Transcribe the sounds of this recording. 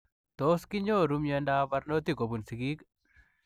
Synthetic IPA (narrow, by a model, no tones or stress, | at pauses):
t̪oːskiɲd͡ʒoːɾumjɐnɖaːbɐɾnot̪ikobunsiɡik